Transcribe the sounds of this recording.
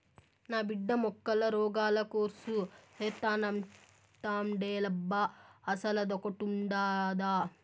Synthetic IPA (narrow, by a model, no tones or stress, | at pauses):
naːbiɖːɐmɔkːɐlɐɾɔːɡaːlɐkoːɾsuheːt̪ːaːnɐm | ʈ̪aːmɖeːlɐbːɐːsɐlɐd̪ɔkɐʈuɳɖaːd̪aː